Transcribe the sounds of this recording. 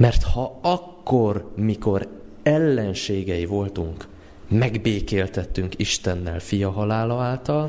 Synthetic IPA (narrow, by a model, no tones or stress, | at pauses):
mɛrt̪hɒɒkːo̞rmiko̞ɾ | ɛlːɛnʃeːɡɛjivo̞lt̪uŋk | mɛɡbeːkeːlt̪ɛt̪ːyŋkiʃt̪ɛnːɛ̰lfijɒɦɒlaːlɒaːlt̪ɒl